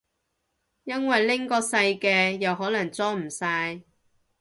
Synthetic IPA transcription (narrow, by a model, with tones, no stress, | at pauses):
jɐ˥nwɐ˨jlɪ˥ŋkɔː˧sɐ˧jkɛː˧jɐ˨whɦɔː˨˥lɐ˨˩ŋt͡sɔː˥m̩˨˩saː˧j